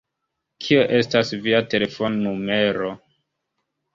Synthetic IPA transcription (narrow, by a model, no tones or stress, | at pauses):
kʰioʔe̞stasviate̞le̞fo̞nnume̞ɾo